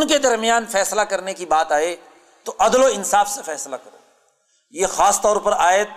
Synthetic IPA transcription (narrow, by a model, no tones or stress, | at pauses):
ʊnked̪ɐɾmijaːnfɛːslakɐɾnekibaːt̪aːe | t̪oʔɐd̪loɪnsaːfsefɛːslakɐɾo̰ː | jexaːst̪ɔːɾpɐɾaːet̪